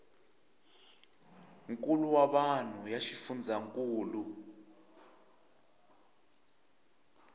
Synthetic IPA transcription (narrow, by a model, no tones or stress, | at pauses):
ŋkʼuluwaɓan̤ujaʃifund͡zʱaŋkʼuːlu